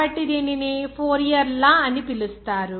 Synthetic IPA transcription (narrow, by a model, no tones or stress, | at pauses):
ɐʈːid̪ininipʰoːɾijɐɾlaːɐnipilust̪aːɾu